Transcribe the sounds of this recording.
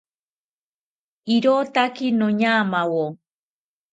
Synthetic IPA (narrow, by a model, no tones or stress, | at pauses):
iɾot̪akinõɲamawo